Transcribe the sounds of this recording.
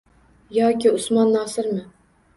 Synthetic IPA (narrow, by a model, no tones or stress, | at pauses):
jɒːkʲiʊsmɑnːɑːsɪɾmɪ